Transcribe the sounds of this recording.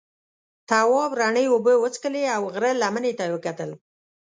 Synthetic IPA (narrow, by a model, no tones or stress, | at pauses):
t̪awɑbɾaɳəjobəwət͡skəleawɣɾəlamənet̪awəkat̪əl